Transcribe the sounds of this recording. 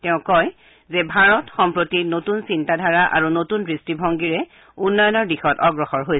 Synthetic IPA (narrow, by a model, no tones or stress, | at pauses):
tɛʊ̃kɔj | zɛbʱaɹɔtxɔmpɹotinotunsintadʱaɹaʔa̰ɹunotunɹistibʱɔŋɡiɹɛ | unːɔjɔnɔɹdixɔtɔɡɹɔxɔɹɦoj